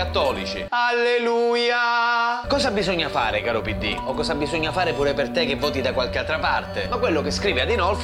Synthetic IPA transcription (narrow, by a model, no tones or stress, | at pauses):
at̪ːɔːlit͡ʃḭalːeluːjakɔːzabizoɲːafa̰ːɾekaːɾopid̪ːḭokːɔːzabizoɲːafaːɾepuːɾepert̪ek̟evːɔːt̪id̪akwalkealt̪ɾapart̪emakːwelːokeskɾiːviad̪ːinɔlf